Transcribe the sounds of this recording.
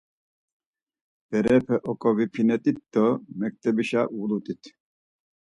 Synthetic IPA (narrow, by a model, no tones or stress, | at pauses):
b̥ɛɾɛpʰɛʔɔkʼɔvipʰinɛt̪ʼit̪̚d̪ɔmɛk̚t̪ʰʼɛbiʃaulut̪ʼit̪ʰ